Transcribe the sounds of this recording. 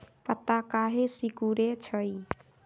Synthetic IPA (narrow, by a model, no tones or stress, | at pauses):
pət̪akaːɦesikuɾet͡ʃʰəi